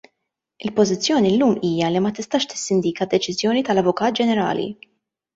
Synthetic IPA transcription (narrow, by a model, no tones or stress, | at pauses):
ɪlpɔzɪt͡sːjɔːnilːuːmiːjɐlimɐt̪ɪst̪ɐːʃt̪ɪ̥sːɪnd̪iːkɐd̪ːɛt͡ʃɪzjɔːnit̪ɐlɐvʊkɐːt̪̚d͡ʒɛnɛɾɐ̰ːlḭ